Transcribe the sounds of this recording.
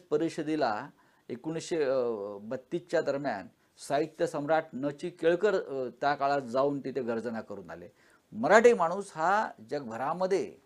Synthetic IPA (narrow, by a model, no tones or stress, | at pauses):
pəɾiɕəd̪ila | ekuɳ̃isɕebət̪ːit͡ɕjad̪əɾmja̰n | sait̪jəsəmɾaʈ̚ʰnət͡ɕiːkeɭkəɾt̪jakaɭat̪d͡zauːnt̪it̪ʰeɡəɾd͡zənakəɾṵːna̰lḛ | məɾaʈiːmaɽ̃uːsɦad͡ʑəɡ̚bʱəɾaməd̪ʱːjḛ